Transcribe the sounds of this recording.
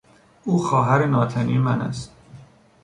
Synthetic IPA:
ʔuːxɒːɦæɾenɒːt̪ʰæniːemænæ̰st̪̚

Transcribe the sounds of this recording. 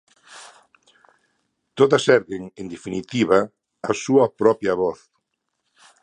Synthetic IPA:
t̪oðasɛɾɣeŋend̪efinit̪iβaː | suɐpɾɔpjɐβɔθ

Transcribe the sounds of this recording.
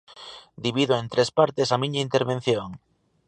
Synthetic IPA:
d̪iβiðoent̪ɾʔespaɾt̪esamĩɲaint̪eɾβẽn̟θjoŋ

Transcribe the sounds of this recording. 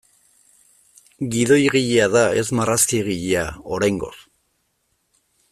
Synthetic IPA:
ɡiðo̞jɣiʎeaðae̞zmaraskiɣiʎeao̞ɾajŋɡo̞̰s

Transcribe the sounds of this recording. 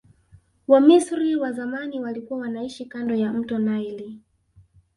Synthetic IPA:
wamisɾiwazamaniwalikuwawanaiʃikandɔjam̩tɔnaili

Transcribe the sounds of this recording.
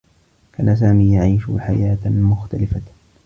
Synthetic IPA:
kʰaːnas̬aːmiːjaʕiːʃʊ̰ħajaːt̪mʊxt̪alɪfa

